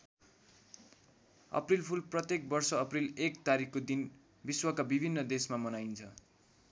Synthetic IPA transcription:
ʌ̰prilpʰulprʌt̪jek̚bʌrsʌʌprilekt̪aɾikʰkod̪in | biswʌkabibʱinːʌd̪esmamʌnajnt͡sʰʌ

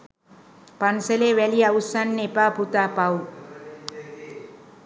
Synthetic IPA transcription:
panseleweliawsanːepabʱut̪apaw

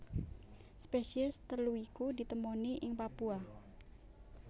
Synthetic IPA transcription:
spesiɛst̪əluikud̪i̤t̪əmoniʔɪŋpapua

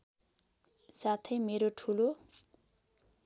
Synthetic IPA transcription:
sat̪ʰʌjmeɾoʈʰulo

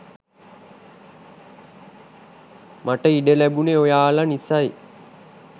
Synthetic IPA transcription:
maʈəiɖəlæbuneojaːlanisaj

